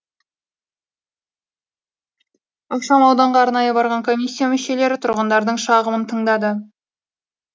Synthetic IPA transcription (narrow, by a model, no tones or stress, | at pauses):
oqʃɑmɑwd̪ɑɴʁɑːɾnɑjəbɑɾʁɑŋkʰo̞mʲijsʲːijamʏʃe̞le̞ɾɪt̪ʰʊɾʁənd̪ɑɾd̪əɴʃɑʁəmənt̪ʰəɴd̪ɑd̪ə